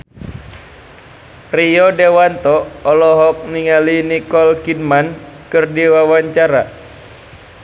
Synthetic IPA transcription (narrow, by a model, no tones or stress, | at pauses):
riɔdewant̪ɔːlɔɦɔk̚niŋalinikɔlkidman | kɨrdiwawaɲt͡ʃaɾa